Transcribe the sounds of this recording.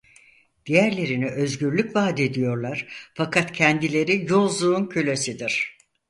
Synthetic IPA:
d̪̥ijæɾlʲe̞ɾiniʔø̞zɟyɾlʲycvaːd̪e̞d̪ijo̞ɾlˠaɾ̥fakʰat̪cʰɛnd̪ilʲe̞ɾijolˠzuːncʰylʲesid̪iɾ̥

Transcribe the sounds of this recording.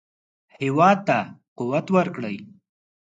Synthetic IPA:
hɪwɑd̪̚t̪ːaquwat̪wəɾkɽəj

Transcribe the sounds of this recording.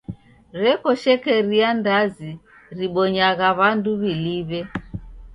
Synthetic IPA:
ɾɛkɔʃɛkɛɾiandazi | ɾiɓɔɲaɣaβanduβiliβɛ

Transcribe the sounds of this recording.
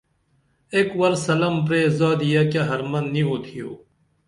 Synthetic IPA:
ekwɐɾsɐləmpɾeːzaːd̪ijaːkjaːɦɐɾmɐnːĩːɦoːt̪ʰɪjoː

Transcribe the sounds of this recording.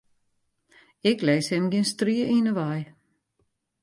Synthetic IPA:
ɛklɛːshɛmɡinstriəʔinəʋaj

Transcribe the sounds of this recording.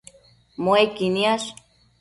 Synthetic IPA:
moekinias

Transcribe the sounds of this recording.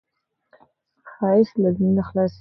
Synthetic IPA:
χaslazninaχlas

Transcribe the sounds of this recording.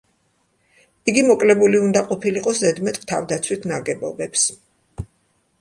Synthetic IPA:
iɡimɔkʼlɛbuliund̪aqʼɔpʰiliqʼɔszɛd̪mɛt̪ʼt̪ʰavd̪at̪sʰwit̪ʰnaɡɛbɔbɛps

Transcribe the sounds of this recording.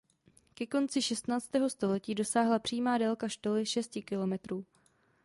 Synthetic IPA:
kɛko̞nt͡sɪʃɛst̪naːt͡st̪ɛːɦo̞st̪o̞lɛciːdo̞saːɦlapr̝̥iːmaːdɛlkaʃt̪o̞lɪʃɛscɪkɪlo̞mɛt̪ɾuː

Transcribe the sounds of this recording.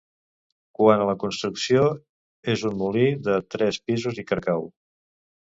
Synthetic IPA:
kwanələkunst̪ɾuksio | ezunmuliðət̪ɾɛspizuzikəɾkaw

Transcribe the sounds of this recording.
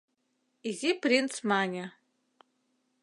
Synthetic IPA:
izipʰrint͡sʰmanʲa

